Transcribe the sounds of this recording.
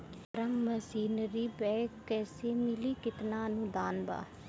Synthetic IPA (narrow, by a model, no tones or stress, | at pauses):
ɾəmməsiːnɾiːbɛːkːɛːseːmɪliːkɪt̪naːənũd̪aːnba̰ː